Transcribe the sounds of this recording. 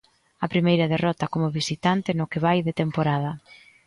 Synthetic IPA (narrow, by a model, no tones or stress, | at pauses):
ɐpɾimejɾɐðerɔt̪ɐkomʊβisit̪ant̪ɪnʊkɪβajðet̪empoɾað̞ɐ